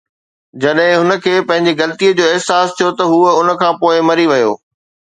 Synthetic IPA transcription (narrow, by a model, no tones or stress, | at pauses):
d͡ʑɐɗɦɪ̃ɦʊnə̆kʰeːpɐ̃ɦɪ̃ɲd͡ʑiɣɐlət̪ijəd͡ʑoːɪɦsaːst̪ʰijot̪ɐɦuːəʊnə̆kʰãːpoːɪmɐɾiʋɐjo̰ː